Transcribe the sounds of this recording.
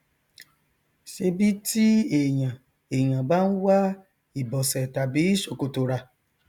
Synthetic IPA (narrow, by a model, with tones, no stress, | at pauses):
ʃe˧bi˦ti˦e˨j̃ã˨ | e˨j̃ã˨bã˦n̩˦wa˦ | i˨bɔ˨sɛ˨ta˨bi˨˦i˦ʃo˨ko˧to˧ɾa˧